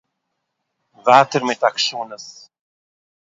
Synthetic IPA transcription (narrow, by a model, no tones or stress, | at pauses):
væːt̪əɾmɛt̪akʃuːnəs